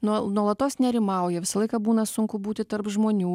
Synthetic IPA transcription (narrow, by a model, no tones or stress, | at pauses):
nuɔnuɔlˠɐt̪oːsnʲɛɾʲɪmɑˑʊjɛʋʲɪsɐlˠɐɪkɐbuːnɐsʊŋkʊbuːt̪ʲɪt̪ɐɾpʒmoːnʲuː